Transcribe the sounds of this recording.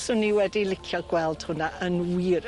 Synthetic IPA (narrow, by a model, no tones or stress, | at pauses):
sʊniwɛdilˠɪkʰjɔɡwɛlˠd̥hʊnaʔənwiːɾ